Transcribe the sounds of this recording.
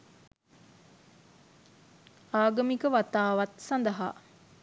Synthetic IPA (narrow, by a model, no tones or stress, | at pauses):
aːɡɐmikəʋat̪aːʋat̪sand̪əɦa̰